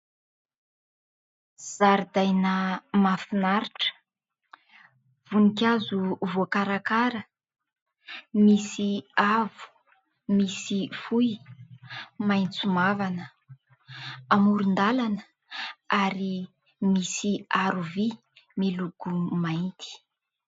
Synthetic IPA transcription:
z̥aɾid̪ajnəmafinaɾiʈ͡ʂə̥ | v̥unikʲazuvokaɾakaɾə | misiavu̥ | misifuj | majnt͡sumavanə | amuɾund̪alanə | aɾi | misiaɾuvi | miluɡ̥umaint̪ʰi̥

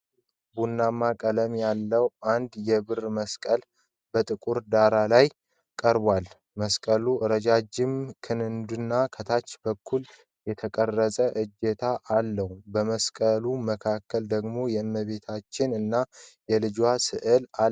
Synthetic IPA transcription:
bunːamːakʼələmjalːəwʔand̪jɛbɨrməskʼəl | bət̪ʼɨkʼuɾd̪aɾalaj | kʼəɾbwal | məskʼəluʔɨɾəd͡ʒad͡ʒɪmkʰɨnɨnd̪unːakʰət̪ʰat͡ʃːbəkʰːul | jɛt̪ʰəkʼərːəsʼəʔɨd͡ʒɛt̪ʰaʔːlːəhubəməskʼəluməkʰakʰːəld̪əɡmo̞jɛɨnːəβe̞t̪ʰat͡ʃːɪnɨnːajɛlɨd͡ʒwasɨʔɨla

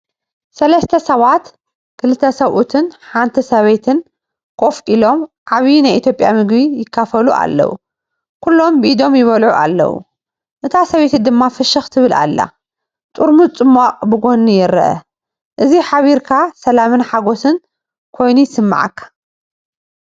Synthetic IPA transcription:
sɐlɐst̪ʰɐsɐβat̪ | kʰɨlɨt̪ʰːɐsɐβʔut̪ʰɨnħant̪ʰisɐβet̪ʰɨn | kʰʼo̞fʔilo̞mʕaβinajʔit̪ʰjo̞pʼja̰mɨɡβijɪkʰːafɐluʔa̰lːɐ̰wṵ | kʰulːo̞mbɨʔid̪o̞mjɪβɐlʕuʔa̰lːɐ̰wṵ | ʔɨt̪ʰasɐβet̪ʰid̪ɨmːafɨʃɨxt̪ʰɨβɨlʔa̰lːa̰ | t̪ʼuɾmut͡sʼɨmːaqʼbɨɡo̞nijɪɾɐ̰ʔɐ̰ | ʔɨziħaβiɾkʰasɐlamɨnħaɡo̞sɨn | kʰo̞jnujsɨmːa̰ʕa̰kʰːḁ

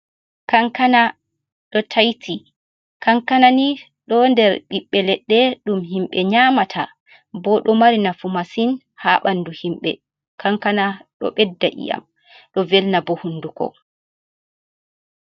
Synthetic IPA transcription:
kaŋkana | ɗɔtʰajtʰi | kaŋkanani | ɗɔndɛɾɓiɓːɛlɛɗːɛɗumɦimɓɛɲaːmatʰa | bɔɗɔmaɾinafumasin | haːɓanduhimɓɛ̰ | kaŋkanaɗɔ̰ɓɛdːaʔḭja̰m | ɗɔvɛlnabɔhunːdukɔ̰

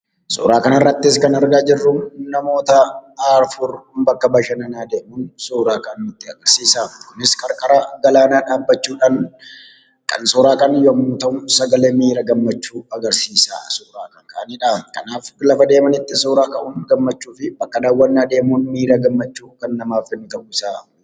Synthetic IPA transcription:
sṵːɾaːkɐnɐrːɐt̪ːɪs̬kɐnɐɾɡaːd͡ʒɪrːʊnɐmo̞ːt̪ɐaːɾfʊɾbɐkːɐbɐʃɐnɐnaːd̪e̞ːmuːnsuːɾaːkɐnɪt̪ːɪɐɡɐɾsiːsaːkʊnɪskʼɐɾkʼɐɾɐɡɐlaːnaːᶑaːbːɐt͡ʃːuːᶑaːn | kɐ̰nsoɾaːkɐnjomːuːt̪ɐʔʊsɐɡɐleːmiːɾɐɡɐmːɐt͡ʃːuːɐɡɐɾsiːsa̰ːsuːɾaːkɐŋkʼɐʔɐniːᶑakɐ̰naːflɐfɐd̪e̞ːmɐnɪt̪ːɪsuːɾaːkɐʔʊnɡɐmːɐt͡ʃːuːfɪbɐkːɐd̪aːwːɐnːaːd̪e̞ːmunmiːɾaɡɐmːɐt͡ʃːuːkɐnːɐmaːfɪnɪt̪ɐʔuɪsaː

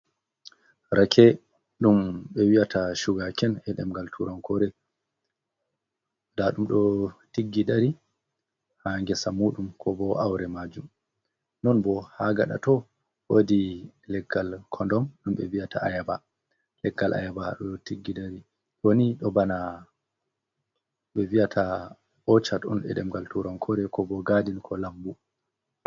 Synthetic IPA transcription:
ɾakʰɛ | ɗumɓɛwiataʃuɡakɛnɛɗɛmɡaltʰuɾankɔɾɛ | daɗumɗɔtiɡːiɗaɾi | haŋɡɛsamuɗumkʰɔbɔʔawɾɛmad͡ʒum | nɔnbɔhaɡaɗa̰tɔ | wodilɛɡːalkʰɔndɔmɗumɓɛvijatʰaʔajaba | lɛɡːalʔa̰jabaɗɔtiɡːidaɾi | woniɗɔbana | ɓɛvijatʰa | ʔɔt͡ʃatɔnɗɛ̰ɗɛmɡaltuɾɔmkʰɔɾɛkɔbɔɡadinkʰɔlabbu

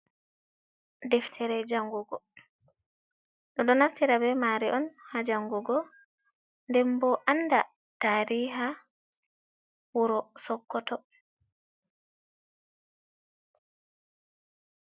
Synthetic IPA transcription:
dɛftʰɛɾɛd͡ʒaŋɡɔɡɔ | ɗɔɗɔnaktiɾabɛmaɾiʔɔnhad͡ʒaŋɡɔɡɔ | ndɛmbɔʔanda | taːɾiːɦa | wuɾɔsɔkːɔtɔ

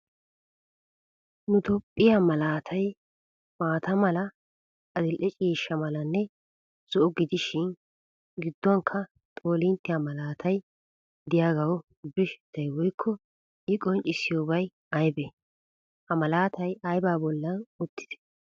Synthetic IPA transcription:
nʊt̪ɔpʼːɪjamɐlaːt̪ʰɐj | maːt̪ɐmɐlɐ | ɐd̪ɪlʔɛt͡ʃʼiːʃːɐmɐlɐnːɛ | z̥ɔʔʊɡɪd̪ɪʃɪn | ɡɪd̪ːɔŋkʰːɐ | t̪ʼoːlɪnt̪ːɪjamɐlaːt̪ʰɐj | d̪ɪjaːɡɐw | bɪʃt̪ːɐjwɔjkʰːɔ | ɪkʼɔnt͡ʃʼɪsɪjoːbɐj | ɐjbɛ | hɐmɐlaːt̪ɐjɐjbaːbɔlːɐnʊt̪ʰːɪ̥d̪̥ɛ̥

